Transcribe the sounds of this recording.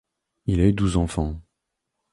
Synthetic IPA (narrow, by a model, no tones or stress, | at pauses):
ilayd̪uzɑ̃fɑ̃